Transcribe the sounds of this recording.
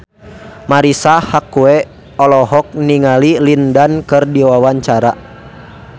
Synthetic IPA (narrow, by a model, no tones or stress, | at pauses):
maɾisahakuɛ | ɔlɔɦɔk̚niŋalilindankɨrdiwawaɲt͡ʃaɾa